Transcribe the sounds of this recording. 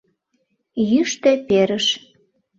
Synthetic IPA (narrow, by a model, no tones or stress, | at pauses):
jyʃt̪epeɾəʃ